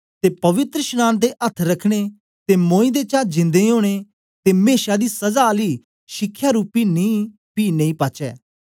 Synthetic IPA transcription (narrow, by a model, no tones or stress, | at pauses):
t̪epɐʋɪt̪ɾəʃnaːnd̪eʔɐt̪ʰɾɐkʰɽ̃e | t̪emõːĩd̪et͡ʃãːd͡ʒɪ̃nd̪eɦoːɽ̃e | t̪emeːʃad̪isɐzali | ʃɪkʰːjaɾuːpinĩː | piːnẽĩːpaːt͡ʃɛː